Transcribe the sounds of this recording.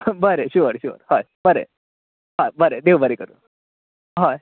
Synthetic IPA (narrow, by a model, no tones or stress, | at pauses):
bəɾeɕuɾɕṵːɾha | bəɾḛ | ɦãbəɾed̪eubəɾekəɾṵn | ɦã